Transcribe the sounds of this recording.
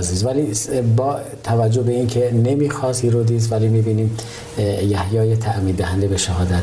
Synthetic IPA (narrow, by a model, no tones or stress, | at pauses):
ziːzvælibɒː | t̪ʰævæd͡ʒːo̞hbeiːncʰene̞miːxɒːsiɾod̪iːzvælimiːbiːniːm | jæhjɒːjet̪ʰæʔmiːd̪d̪æhænd̪ebeʃæhɒːd̪æt̪